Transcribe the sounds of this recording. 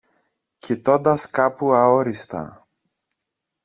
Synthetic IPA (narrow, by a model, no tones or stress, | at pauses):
cit̪ond̪ɐskapuɐoɾist̪ɐ̰